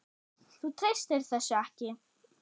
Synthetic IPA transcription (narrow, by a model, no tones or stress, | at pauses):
θut̪ʰɾejst̪ɪɾ̥θɛsːʏɛhcɪ